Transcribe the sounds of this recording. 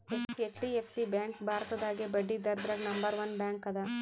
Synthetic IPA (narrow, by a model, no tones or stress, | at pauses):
eset͡ʃʈiepʰsibjaːŋkbʱaːɾɐt̪ɐd̪aːɡebɐɖːid̪ɐɾd̪ɾɐɡnɐmbɐɾʋɐnbjaːŋkɐd̪ɐ